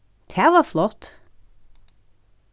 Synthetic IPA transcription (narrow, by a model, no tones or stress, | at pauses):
t̪ʰæʋəflɔt̪